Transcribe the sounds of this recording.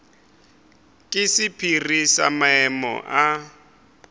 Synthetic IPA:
kʼɪsɪpʰirisamaɛmɔ̰ʔa

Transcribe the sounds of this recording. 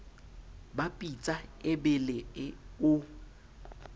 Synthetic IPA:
bapʼit͡sʼaɪbɪlɪɪʊ

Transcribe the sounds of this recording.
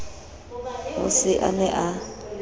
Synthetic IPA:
ɦʊsɪʔa̰nɛʔa

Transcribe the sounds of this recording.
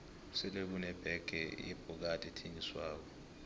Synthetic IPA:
sɛlek̬unɛb̥ʱɛɡ̥ʱɛḭb̥ʱuk̬atʼɛtʰeŋiswaːk̬ɔ

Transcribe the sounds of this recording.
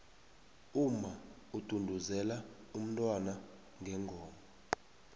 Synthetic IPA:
uma | ud̥ʱundʱuzɛla | um̩tʼwana | ŋɡʱɛŋɡʱɔːmɔ

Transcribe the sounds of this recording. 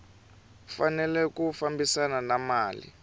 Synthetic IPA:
fanɛlɛkufambisananamaːlḭ

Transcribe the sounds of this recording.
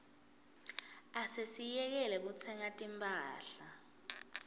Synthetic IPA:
asesijɛk̬ɛlɛk̬ut͡sʰɛŋatʼimpʰʼaːɬa

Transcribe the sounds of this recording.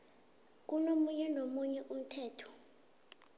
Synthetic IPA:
k̬ʼunomuɲɛnomuɲɛʔum̩tʰɛːtʰɔ̥

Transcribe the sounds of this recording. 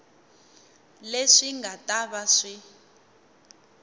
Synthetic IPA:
leʂiŋɡataβaʂi

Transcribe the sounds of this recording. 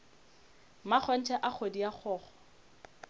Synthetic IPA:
mak͡xʰɔn̩tʰɛʔak͡xʰodiaχʰɔːχɔ̥

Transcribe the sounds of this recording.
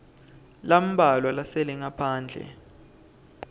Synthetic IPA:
lam̩ɓalwalasɛlɛŋapʰaːnd͡ɮʱɛ̰

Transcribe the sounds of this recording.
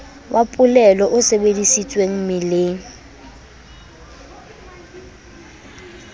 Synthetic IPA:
wʔapʼʊlɛlɔʔʊsebedisit͡sʼweŋ̩mɪlɪŋ̩

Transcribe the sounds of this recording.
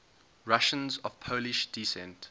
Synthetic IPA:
ɹaʃə̃nzɔv̥pʰoʊlɪʃd̥isɛ̰̃nt

